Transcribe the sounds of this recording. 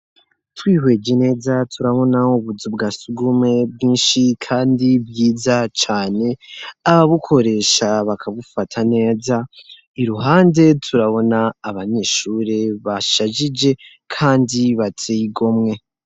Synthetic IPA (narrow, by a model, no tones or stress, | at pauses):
twiːhwe̞ːd͡ʒe̞ne̞ːzatʰuɾaβo̞nauβuzub̚ɡaːsuɡume̞b̚ɡiːnʃikʰaːndibjiːzat͡ʃaːne̞aβaβukʰo̞ɾe̞ːʃaβakʰaβufatʰane̞ːza | iɾuɦaːnde̞tʰuɾaβo̞naːβaɲe̞ːʃuːɾe̞βaʃaʒid͡ʒe̞ | kʰaːndiβatʰiɡo̞mŋe̞